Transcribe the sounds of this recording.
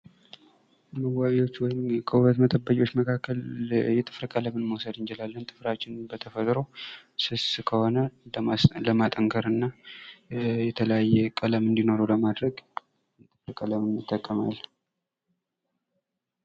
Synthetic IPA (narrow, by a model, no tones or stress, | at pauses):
məwaβiwo̞t͡ʃːwɔjɪmkʰəuβət̪mət̪ʼəbːəkʼwo̞t͡ʃːməkʰakːəljɛt̪ʼɨfɾkʼələmɨnməwsəd̪ɨnd͡ʒɛlalːənt̪ʼɨfɾat͡ʃːɪnbət̪ʰəfət̪ʼɾo̞sɨskʰəho̞nə | ləmat̪ʼəŋkʰəɾɨnːa | jɛt̪ʰələjajːɛkʼələmɨnd̪ino̞ɾoləmad̪ɾəɡ | t̪ʼɨfɾkʼələmɨnɨt̪ʼːəkʼːəma̰l